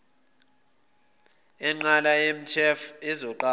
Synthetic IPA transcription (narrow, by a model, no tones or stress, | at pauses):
ɛŋ͡ǃalaem̩tʰɛfɛzɔǃa